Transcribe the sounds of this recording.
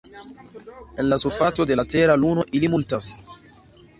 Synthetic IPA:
enlasufat̪od̪elat̪ɛːɾaluːnoʔilimult̪as

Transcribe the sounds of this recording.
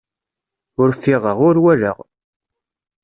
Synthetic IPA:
ʊɾfːɪʁəʁʊɾwæɾə̰ʁ

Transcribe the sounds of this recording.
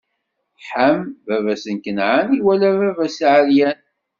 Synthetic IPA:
ħəmvævæsənkənʕaniwælævævæsʕəljæn

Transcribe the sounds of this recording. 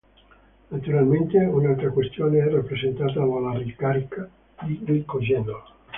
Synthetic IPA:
nat̪uɾalment̪eunalt̪ɾakwest̪joːneɛrːapːɾezent̪aːt̪alalːarikaɾika | d̪idikod͡ʒɛnol

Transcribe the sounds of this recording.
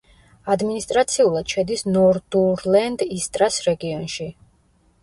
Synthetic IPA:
ad̪minist̪ʼɾat̪sʰiulˠad̪̥ʃɛd̪isnɔɾd̪uɾlɛnd̪ist̪ʼɾasɾɛɡiɔnʃi

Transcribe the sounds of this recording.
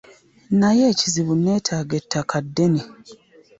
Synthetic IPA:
najeːciziβune̞ːtʰaːɡetʰːakadːe̞ni

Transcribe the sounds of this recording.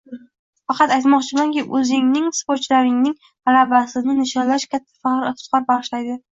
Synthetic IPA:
fɑqɑt̪ajt̪mɒqt͡ʃʰɪmanŋkʲɪʔɵzɪŋnɪŋspot͡ʃlaɾɪŋnɪŋ | alabasɪnɪnɪʃɒnlaʃkʲʰat̪ʰːḁfɑqɾsqɑɾbaʁɨʃlajd̪ɪ

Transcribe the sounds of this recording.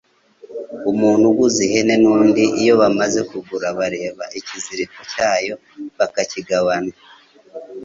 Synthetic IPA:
umuːn̥huɡuziɦe̞ne̞nuːndiʔijo̞βamaze̞kuɡuɾaβaɾe̞ːβa̰ʔiciziɾikocaːjo̞ | βakaciɡaβana

